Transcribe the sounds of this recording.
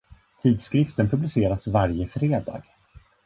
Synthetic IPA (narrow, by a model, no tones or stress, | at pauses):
t̪ʰiːd̪skɾɪft̪ənpʰɵblɪseːɾasvaɾjəfɾeːd̪ɑ̰ːɡ̥